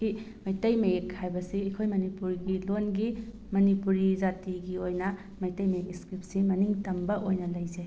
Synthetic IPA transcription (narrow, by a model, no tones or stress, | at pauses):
i | mɐjtɐjmɐjekʰhʰajbɐsiːkʰojmɐnipuɾɡilonɡi | mɐnipuɾizatiɡiojnɐ | mɐjtɐjmɐjek̚iskɾip̚simɐniŋtɐmbɐʔojnɐlɐjzej